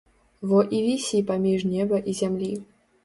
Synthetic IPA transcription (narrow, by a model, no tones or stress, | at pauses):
vɔʔivʲisʲipamʲiʐnʲɛbɐʔizʲamlʲi